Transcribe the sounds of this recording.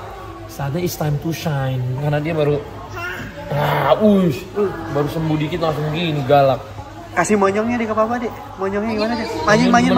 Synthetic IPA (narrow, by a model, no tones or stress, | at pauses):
saːt̪̬̚ɲaɪst̪ajmt̪uʃajnkanadiabaɾu | jausbaɾusəmbudikɪt̪lasʊŋɡiniɡalak̚ | kasihmɔɲɔŋɲadikapabadɛ | mɔɲɔŋɲaɡimanadɛmaɲaŋmaɲa